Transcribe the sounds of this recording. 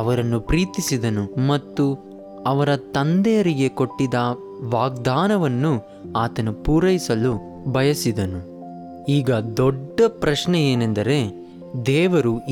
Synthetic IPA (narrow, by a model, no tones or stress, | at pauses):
ɐʋɐɾɐnːupɾiːt̪isid̪ɐnumɐt̪ːu | ɐʋɐɾɐt̪ɐnd̪ɛjɐɾiɡe̞ko̞ʈːid̪ɐ | ʋaːɡd̪aːnɐʋɐnːu | aːt̪ɐnupuːɾɐjisɐlu | bɐjɐsid̪ɐnu | iːɡɐd̪ɔɖːɐpɾɐʃnɛeːnend̪ɐɾe̞ | d̪ɛːʋɐɾu